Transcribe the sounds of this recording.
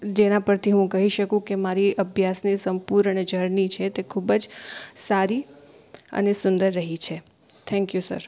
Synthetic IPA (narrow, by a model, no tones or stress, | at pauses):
d͡ʒenapəɾt̪ʰiɦũkəɦiʃəkũkemaɾiʔəbʱjasnisəmpuɾəɳed͡ʒʱəɾɳit͡ʃʰet̪ekʰubəd͡ʒsaɾi | ə̰nesʊnd̪əɾːəɦit͡ʃʰe | t̪ʰɛ̃ŋkjusə̰ɾ